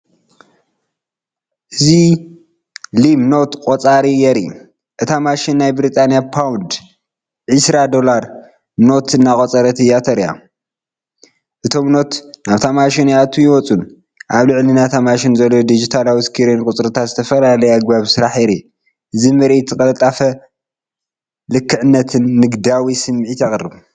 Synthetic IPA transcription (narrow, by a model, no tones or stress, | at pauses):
ʔɨzi | limno̞t̪kʼot͡sʼaɾijɛɾḭ | ʔɨt̪ʰamaʃinːajbɾit̪ʼʰanjapʰawnd̪ | ʕɨsɾad̪o̞laɾ | no̞t̪ɨnːakʼot͡sʼɐɾɐt̪ɨjat̪ʰɐɾja̰ | ʔɨt̪ʰo̞mno̞t̪naβt̪ʰamaʃinjat̪ʰːujɪwɔt͡sʼun | ʔaβlɨʕlinat̪ʰamaʃinzɐlːod̪id͡ʒit̪ʰalawiskʰiɾenkʼut͡sʼɾɨt̪ʰat̪zɨt̪ʰɐfɐlalɐjaɡbaβsɨɾaħiɾi | ʔɨzimɨɾʔet̪ʰːɨkʼɐlɐt̪ʼːafɐ | lɨkʰːɨʕɨnːɐt̪ʰɨnːɨɡd̪awisɨmːʕit̪jaxʼrɨβ